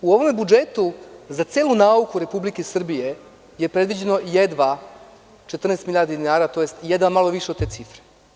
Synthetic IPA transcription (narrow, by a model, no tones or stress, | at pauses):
uo̞ʋo̞mebud͡ʒet̪uzat̪sjeːlunaːukuɾe̞publikesr̩bije̞ | jepɾe̞d̪ʋid͡ʑe̞no̞jed̪ʋa | t͡ʃe̞t̪r̩neːst̪miljaːɾd̪id̪inaːɾat̪o̞je̞st̪je̞d̪ʋamalo̞ʋiʃet̪e̞ːt̪sifɾe̥